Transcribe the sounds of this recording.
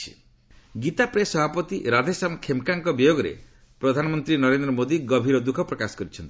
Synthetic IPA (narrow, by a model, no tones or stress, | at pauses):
i̥̰ | ɡit̪apɾesɔbʱapɔt̪iɾad̪ʱesamkʰemkaŋkɔbijoɡɔɾḛ | pɾɔd̪ʱanɔmɔnt̪ɾinɔɾend̪ɾɔmod̪iɡɔbʱiɾɔd̪ukʰɔpɾɔkasɔ̥kɔɾit͡ʃʰɔnt̪i̥